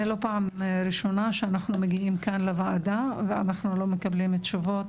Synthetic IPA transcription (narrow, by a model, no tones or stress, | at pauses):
elo̞paamɾiʃo̞naʃeanaχnumeɡiimkanlevaad̪avea̰naχnulo̞me̞kablimetʃovo̞t